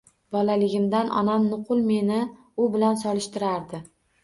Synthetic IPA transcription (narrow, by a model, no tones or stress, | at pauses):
bɒlalɪɡʲɪmd̪anʔɒ̰namnʊqʊlˠme̞nɪ | ʊbɪlansɒlɪʃt̪ɪɾaɾd̪ɪ